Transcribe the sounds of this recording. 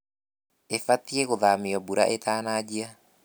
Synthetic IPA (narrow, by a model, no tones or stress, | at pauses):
efatieɣoðamiɔbuɾa̰ʔet̪aːnad͡ʑia